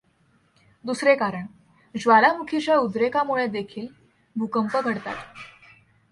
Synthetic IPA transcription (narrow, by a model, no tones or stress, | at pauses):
d̪usɾekaɾəɳ | d͡ʑʋalamukʰit͡ɕjaud̪ɾekamuɭed̪ekʰiːl | bʱukəmpəɡʱəɽt̪a̰t̪